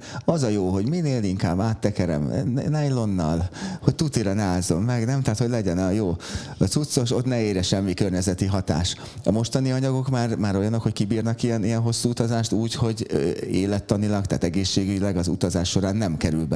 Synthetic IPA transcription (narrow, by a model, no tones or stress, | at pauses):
ɒzɒjoːɦo̞ɟmineːliŋkaːbːaːt̪ːɛkɛɾɛ̰mnɛjlo̞nːɒ̰lhoc̚t̪ut̪iɾɒnaːzːo̞mːɛɡnɛmt̪ɛːt̪ho̞ɟlɛɟɛnɒjoːsut̪so̞ʃo̞t̪nɛeːɾɛʃɛmːikørɲɛzɛt̪iɦɒt̪a̰ːʃ | ɒmo̞ʃt̪ɒniɒɲɒɡo̞kmaːrmaːɾo̞jɒnːokhockibiːrnɒkijɛnijɛnɦo̞sːuːut̪ɒzaːʃt̪uːcho̞ɟøeːlɛt̪ːɒnilɒkt̪a̰ːt̪ɛɡeːʃːeːɡyɟilɛɡɒzṵt̪ɒzaːʃːo̞ɾaːnːɛmkɛɾylbɛ